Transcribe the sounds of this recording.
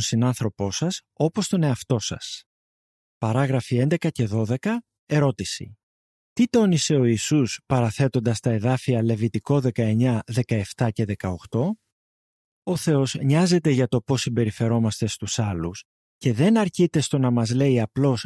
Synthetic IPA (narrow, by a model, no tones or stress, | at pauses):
nsinɐnθɾo̞po̞sɐs | o̞po̞st̪o̞ne̞ɐft̪o̞sɐ̰s | pɐɾɐɣɾɐfiend̪e̞kɐce̞ðo̞ðe̞kɐ | e̞ɾo̞t̪isḭ | t̪it̪o̞nise̞o̞isuspɐɾɐθe̞t̪o̞nd̪ɐst̪ɐe̞ðɐfiɐle̞vit̪iko̞ðe̞kɐe̞ɲɐðe̞kɐe̞ft̪ɐce̞ðe̞kɐo̞xt̪o̞ | o̞θe̞o̞zɲɐze̞t̪e̞ʝɐt̪o̞po̞simbe̞ɾife̞ɾo̞mɐst̪e̞st̪usɐlus | ce̞ðe̞nɐɾcit̪e̞st̪o̞nɐmɐzle̞iɐplo̞s